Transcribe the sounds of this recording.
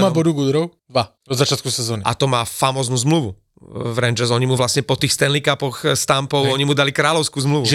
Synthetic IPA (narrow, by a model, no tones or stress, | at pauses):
mabɔd̪uɡud̪ɾɔʊd̪ʋa | ɔd̪zat͡ʃɪat̪kusɛzɔːnia̰t̪ɔmaːfamɔːznuːzmluʋu | vɾɛnd͡ʒɛsɔɲimuʋlasɲɛpɔt̪iːxst̪ɛnlikapɔxst̪ampɔʊɔɲimud̪alikɾaːlɔʊskuːzmluʋʒ